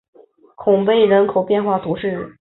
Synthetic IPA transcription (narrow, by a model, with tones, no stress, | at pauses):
kʰʊ˨˩ŋpe˥˩ɪɻə˧˥nkʰo˨˩ʊpjɛ˥˧nxwa˥˩t̪ʰu˧˥ʂɻ̩˥˩